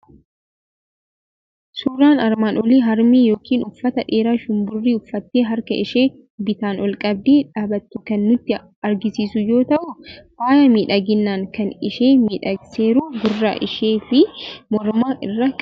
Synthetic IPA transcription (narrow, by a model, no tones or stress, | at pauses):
suːɾaːnɐɾmaːnɔliːɦɐɾmiːjo̞ːkiːnʊfːɐt̪ɐᶑeːɾaːʃʊmbʊrːiːʊfːɐt̪ːeːɦɐɾkɐɪʃeː | bɪt̪aːnɔlkʼɐb̚d̪iːᶑaːbɐt̪ːʊkɐnːʊt̪ːɪ | ɐɾɡɪsiːsʊjo̞ːt̪ɐʔʊwaːjɐmiːᶑɐɡɪnːaːŋkɐnɪʃeːmiːᶑɐɡseːɾuːɡʊrːa̰ːʔɪʃe̞ːfɪmɔɾmaːɪ̰rːɐkʼ